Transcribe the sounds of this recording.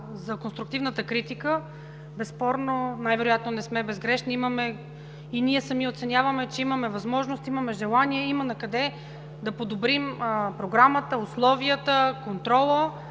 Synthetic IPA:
zɐkonst̪ɾʊkt̪ivnət̪əkɾit̪ikə | bɛspɔɾnonajvɛɾojat̪nonɛsmɛbɛzɡɾɛʃniiməmɛ | iniɛsɐmiot̪sɛnʲavəmɛt͡ʃɛiməmɛvɐzmɔʒnost̪imɐmɛʒɛlˠaniɛimənɐkɐd̪ɛ | d̪ɐpod̪obɾimpɾoɡɾamət̪əʊslˠɔviət̪əkont̪ɾɔlˠə

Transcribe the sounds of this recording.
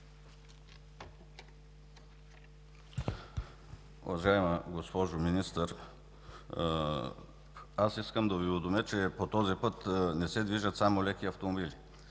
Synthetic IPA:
ṵvɐʒajməɡospɔʒominist̪əɾ | asiskəmd̪ɐvivɛd̪omjət͡ʃɛpot̪ɔzipɤt̪nɛsɛd̪viʒət̪samolɛkiɐft̪omobili

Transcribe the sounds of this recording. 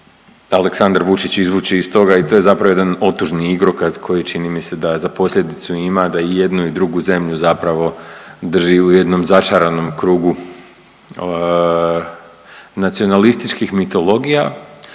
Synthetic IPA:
ale̞ksand̪aɾʋut͡ʃit͡ɕizʋuːt͡ʃiist̪o̞ɡait̪o̞je̞zapɾaʋoed̪ano̞t̪ːuʒniiɡɾo̞kazkʰo̞jit͡ʃinimise̞d̪azapo̞slʎʲe̞d̪it̪suimad̪aije̞d̪nuid̪ɾuɡuze̞mʎuzapɾaʋo̞d̪r̩ʒiuje̞d̪no̞mzat͡ʃaɾano̞mkɾuːɡu | nat̪sio̞nalist̪it͡ʃkixmit̪o̞lo̞ɡija

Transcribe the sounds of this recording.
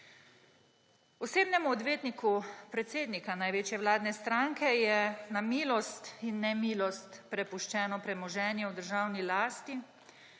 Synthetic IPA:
ɔseːbnɛmuɔd̪ʋeːt̪nikupɾɛt̪seːd̪nikanajʋeːt͡ʃjɛwlaːd̪nɛst̪ɾaːŋkɛjɛnamiːlɔst̪inːɛmiːlɔst̪pɾɛpuʃt͡ʃɛːnɔpɾɛmɔʒɛːnjɛwd̪əɾʒaːwnilaːst̪i

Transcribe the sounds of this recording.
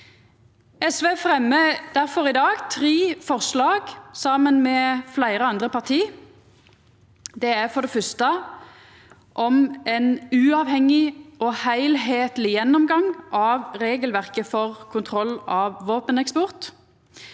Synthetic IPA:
ɛsʋeːfʁɛmːəd̪̥æʁfɔɾɪd̪ɑːɡt̪ʰʁeːfɔʁʂlɑːɡsɑːmənmɛːflæɪɾəɑnd̪ʁəpɑʁt̪ʰiː | d̪ɛæʁfɔʁd̪ɛfœst̪ə | ʔɔmɛnʉːɑːʋhɛŋɪɔhæɪlɦeːt̪əlɪjɛnːɔmɡɑŋʔɑːʋʁeːɡəlʋæʁkəfɔʁkʰʊnt̪ʰʁɔlːɑːʋʋoːpənɛkspɔʁt̪

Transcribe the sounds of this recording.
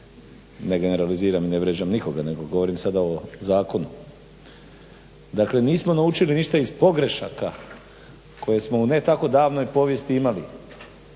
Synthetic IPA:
ne̞ɡe̞neɾaliziːɾamineʋɾed͡ʒamniko̞ɡane̞ɡo̞ɡo̞ʋo̞ɾimsad̪aozaːko̞nu | d̪akle̞niːsmo̞naut͡ʃiliniʃt̪aizpo̞ɡɾe̞ʃaka | kʰo̞je̞smo̞une̞t̪ako̞d̪aːʋno̞jpo̞ʋje̞st̪iimali

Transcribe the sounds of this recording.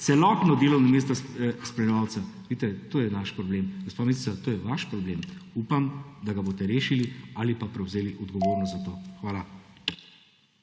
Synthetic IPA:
t̪sɛlɔt̪nɔd̪eːlɔwnɔmeːst̪asspɾɛnʋaw̪sɛ | ʋit̪ɛt̪oːjɛnaʃpɾɔbleːmɡospamisi̥t͡s̪at̪oːjɛʋaʃpɾɔbleːmupamd̪aɡaboːt̪ɛɾeːʃilialipapɾɛwzeːliʔɔd̪ɡɔʋoːɾnɔst̪zat̪oːxʋaːla

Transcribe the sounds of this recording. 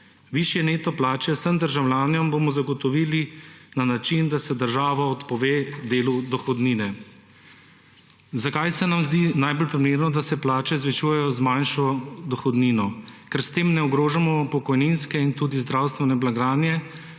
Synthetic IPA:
ʋiʃjɛneːt̪ɔplaːt͡ʃɛwsəmd̪əɾʒawlʲjaːnjɔmbomɔzaɡɔt̪ɔʋiːlinanat͡ʃind̪asɛd̪əɾʒaːʋaɔt̪pɔʋeːd̪eːlud̪ɔxɔd̪niːnɛ | zakajsɛnamzd̪inajbɔlpɾimeːɾnɔd̪asɛplaːt͡ʃɛzʋɛt͡ʃuːjɛjɔzmanʃɔd̪ɔxɔd̪niːnɔkɛɾst̪eːmnɛɔɡɾoːʒamɔpɔkɔjninskɛint̪ud̪izd̪ɾawst̪ʋɛnɛblaɡɾaːnjɛ

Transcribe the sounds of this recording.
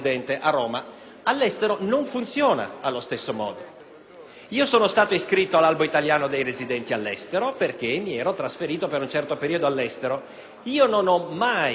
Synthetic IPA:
d̪ɛnt̪eʔaroːma | alːɛst̪eɾonoɱfunt̪sjoːna̰alːost̪esːomɔ̰ːd̪o | iːosoːnost̪aːt̪oiskɾit̪ːoalalboit̪aljaːnod̪ejɾezid̪ɛnt̪ialːɛst̪eɾoperk̟emːiɛːɾot̪ɾasfeɾiːt̪opeɾunt͡ʃɛrt̪opeɾiod̪oalːɛst̪eɾo | iːononɔma

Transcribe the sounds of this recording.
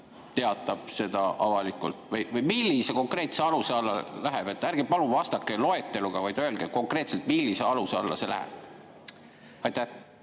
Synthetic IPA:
t̪e̞ɑt̪ːˑɑb̥̚se̞d̪̥ɑʔɑvɑlikːˑult̪ˑvɤjvɯjmilʲːise̞ko̞ŋkreːt̪seɑluseɑlːɑlæɦeb̥e̞t̪ːˑærɡ̥epɑluvɑst̪ɑkːˑe̞lo̞e̞t̪ːˑe̞luɡ̥ɑvɑjd̪̥øelɡ̥eko̞ŋkˑreːt̪se̞lt̪milːise̞ɑluseɑ̰lːɑ̰se̞læhḛb̥ | ɑjt̪ːæh

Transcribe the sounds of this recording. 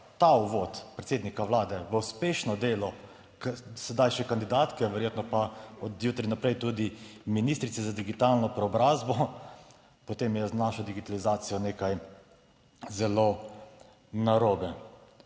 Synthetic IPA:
t̪auʋoːt̪pɾɛt̪seːd̪nikaʋlaːd̪ɛʋəuspeːʃnɔd̪eːlɔ | ksɛd̪ajʃɛkand̪id̪aːt̪kɛʋɛɾjeːt̪nɔpaɔd̪juːt̪ɾinapɾɛjt̪ud̪iminist̪ɾit̪sɛzad̪iɡit̪alnɔpɾɛɔbɾaːzbɔ | pɔt̪emjɛznaʃɔd̪iɡit̪alizaːt̪sijɔneːkaj | zɛlo | naɾoːbɛ

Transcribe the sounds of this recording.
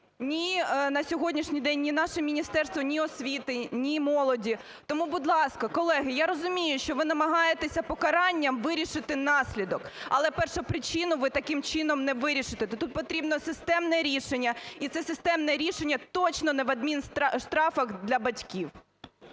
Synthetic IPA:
nʲinɐsʲɔɦɔdʲnʲiʃnʲijd̪ɛnʲːinɑʃɛmʲinʲist̪ɛrst̪ʋɔnʲiɔsʲʋʲit̪ɪnʲimɔlˠɔdʲi | t̪ɔmubud̪lˠɑskɐkɔlˠɛɦɪjaɾɔzʊmʲijʊʃt͡ʃɔʋɪnɐmɐɦɑjet̪esʲɐpɔkɐɾɑnʲːɐmʋɪɾʲiʃɪt̪ɪnɑsʲlʲid̪ɔkɐlˠɛpɛrʃʊpɾɪt͡ʃɪnʊʋɪt̪ɐkɪmt͡ʃɪnɔmnɛʋɪɾʲiʃɪt̪ɛt̪t̪ut̪̚pɔt̪ɾʲibnɔsɪst̪ɛmnɛɾʲiʃenʲːɐit̪sɛsɪst̪ɛmnɛɾʲiʃenʲːɐt̪ɔt͡ʃnɔnɛʋɐd̪̚mʲinʃt̪ɾɑfɐɣd̪lʲɐbɐtʲkʲiw

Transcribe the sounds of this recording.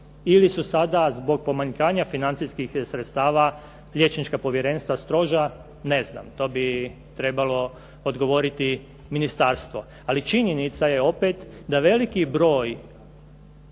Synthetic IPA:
ilisusad̪azbo̞ɡ̚po̞maɲkaːɲafinant̪siskixsɾet̪st̪aːʋa | lʎjet͡ʃnit͡ʃkapo̞ʋjeɾe̞nst̪ʋast̪ɾo̞ʒa | ne̞zna̰mt̪o̞ːbi | t̪ɾe̞balo̞ | od̪ɡo̞ʋo̞ɾit̪i | minist̪aɾst̪ʋo̞ | alit͡ʃiɲenit̪saje̞o̞pet̪ | d̪aʋe̞likibɾo̞ːj

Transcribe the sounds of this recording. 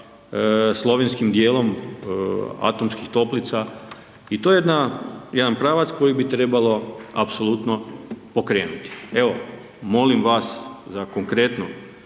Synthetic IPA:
slˠo̞ʋenskimd̪jeːlo̞m | a̰t̪o̞mskixt̪o̞plit̪sa | it̪ojejed̪najed̪anpɾaːʋat̪sko̞jibit̪ɾe̞balo̞a̰pso̞lˠut̪no̞po̞kɾe̞ːnut̪i̥eʋo̞ | mo̞limʋaszako̞ŋkɾe̞t̪no

